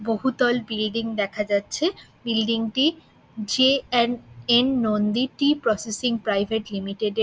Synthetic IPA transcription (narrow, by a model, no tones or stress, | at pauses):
boɦut̪ɔlbilɖiŋd̪ɛkʰad͡ʑatːɕʰebilɖiŋʈi | d͡ʑeɛnenːond̪iʈipɾɔsesiŋpɾajbʱeʈlimiʈeɖ